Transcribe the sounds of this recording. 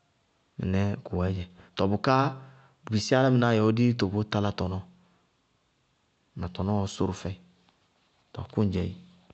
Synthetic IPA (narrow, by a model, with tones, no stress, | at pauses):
mḭ˨nɛ˦ku˨a˨˦d͡ʒɛ˨tɔ˨bo˨ka˦˨ | bi˨si˦a˦la˦mi˨na˨jɛ˨o˦di˦to˨bo˦ta˦la˦tɔ˨nɔ̃˨˦ | na˨tɔ˨nɔ̃˦ɔ˨so˦ɾu˨fɛ˨i˨ | tɔ˨kũ˦d͡ʒɛ˨i˨